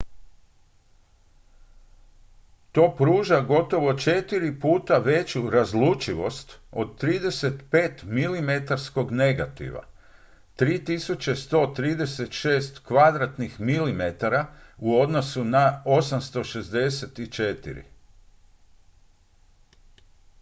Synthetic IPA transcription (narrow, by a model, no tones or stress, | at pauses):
t̪o̞ːpɾuːʒaɡo̞t̪o̞ʋo̞t͡ʃe̞t̪iɾipuːt̪aʋe̞t͡ɕuɾazlut͡ʃiʋo̞st̪o̞d̪̚t̪ɾiːd̪e̞se̞t̪pe̞ːt̪milimet̪aɾsko̞ɡne̞ɡat̪ḭʋa̰ | t̪ɾiːt̪isut͡ɕe̞st̪o̞ːt̪ɾiːd̪e̞se̞t̪ʃe̞ːst̪kʋad̪ɾat̪nixmilimet̪aɾauo̞d̪nosunao̞samst̪o̞ʃe̞zd̪e̞se̞t̪it͡ʃet̪ḭɾḭ